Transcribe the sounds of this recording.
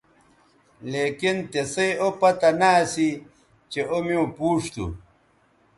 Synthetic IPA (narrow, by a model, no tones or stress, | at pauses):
leːkint̪esejopɐt̪ɐnaːsi | t͡ɕeomiũpuːʂt̪ṵ